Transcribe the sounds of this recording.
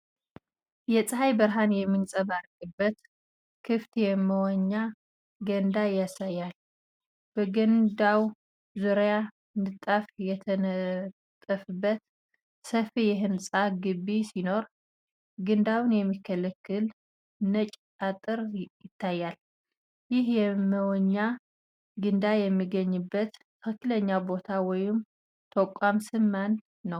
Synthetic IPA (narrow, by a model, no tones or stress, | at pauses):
jɛsʼɨɦajbəɾɦanjɛmːɨnsʼəβaɾkʼɨbːət̪ | kʰɨft̪jɛmːəwaɲːa | ɡənd̪ajasajːal | b̥əɡənd̪aw | zuɾja | nɨt̪ʼːafjɛt̪ʰənət̪ʼəfɨbːət̪ | səfijɪɦɨnsʼaɡɨbːisino̞ɾ | ɡɨnd̪awnjɛmːikʰːələkʰːɨl | nət͡ʃʼ | at̪ʼɨɾjɪt̪ʰːajːal | jɪhjɛməwɔɲːa | ɡɨnd̪ajɛmːiɡəɲːɨbːət̪ʰ | kʰəkːɨləɲːabo̞t̪ʰawɔjɪm | t̪ʰəkʷʼːamsɨmːanː | əw